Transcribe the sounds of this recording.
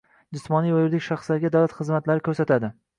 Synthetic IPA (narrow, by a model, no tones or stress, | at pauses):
d͡ʒɪsmɒnijvajʊɾd̪ɪkʲʃaχsd̪aɾɡʲad̪awlat̪χɨzmat̪laɾɪkʰʲɵɾsat̪ʰad̪ɪ